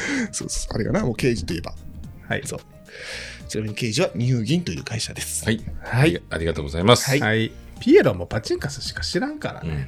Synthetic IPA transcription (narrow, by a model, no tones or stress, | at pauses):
so̞ːso̥a̰ɾeɡa̰namoːke̞ːʑi̥t̪o̞ie̞ba̰haḭso̞̰ː | ɯ̥t͡ɕinaminoke̞ːʑiβaɲʲihɯ̟ːɡʲĩnt̪o̞jɯ̟ːkaiɕad̪e̞sɨ̥ahaiaɾʲiɡat̪oːɡozaimasɨ̥aihaipʲieɾomo̞pat͡ɕĩŋkasɨ̥ɕi̥kḁɕiɾãŋkaɾa̰ne